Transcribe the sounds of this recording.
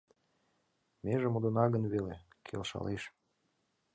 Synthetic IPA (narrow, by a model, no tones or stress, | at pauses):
meʒemod̪onɑɣənβele | kʰḛlʃɑ̰leʃ